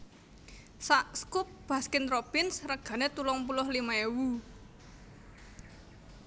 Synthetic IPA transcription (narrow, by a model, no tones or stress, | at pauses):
saʔskup̚b̥a̤skɪnpɾopɪnsrəɡ̥ä̤net̪ulɔŋpulʊhlimaewu